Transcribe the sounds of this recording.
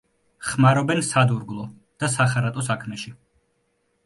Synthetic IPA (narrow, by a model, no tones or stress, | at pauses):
χmaɾɔbɛnsad̪uɾɡlˠɔ | d̪̥asaχaɾat̪ʼɔsakʰmɛʃi